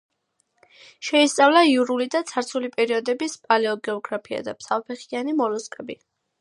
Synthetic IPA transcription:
ʃɛist̪sʼavlˠaiuɾulid̪at̪sʰaɾt̪sʰulipʼɛɾiɔd̪ɛbispʼalɛɔɡɛɔɡɾapʰia̰d̪apsʰavpʰɛχianimɔɾɔskʼɛbi

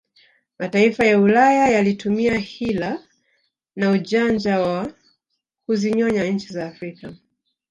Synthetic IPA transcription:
mataifajaulajajalitumiahila | naut͡ʃand͡ʒawa | kuziɲɔɲaɲ̩t͡ʃizaːfɾika

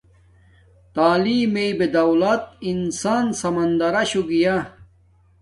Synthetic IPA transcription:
t̪aːliːmejbed̪ɐwlɐt̪insaːnsɐmɐnd̪ɐɾɐɕuɡija

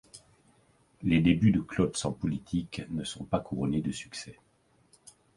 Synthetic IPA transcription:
led̪ebyd̪əklɔt̪sɑ̃pɔlit̪ʰiknəsɔ̃pakuʁɔned̪əsy̥ksɛ

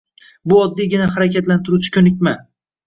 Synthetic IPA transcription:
bʊɒd̪ːijɡʲɪnahaɾakʲat̪lant̪ʰɪɾut͡ʃʰɪ̥kʲʰɵnɪkʲma

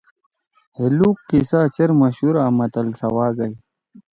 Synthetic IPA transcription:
heluːkːisaːt͡ɕɐɾmɐɕuɾaːmɐt̪ɐlsɐwaːɡɐj

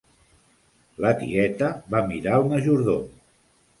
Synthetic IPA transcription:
lət̪ḭɛt̪əβamiɾaəlˠməʒuɾðo

